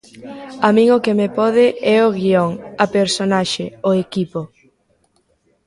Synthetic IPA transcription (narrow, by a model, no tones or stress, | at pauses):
amĩŋokemepɔð̞ɪʔɛoɣioŋapeɾsonaʃeoekipo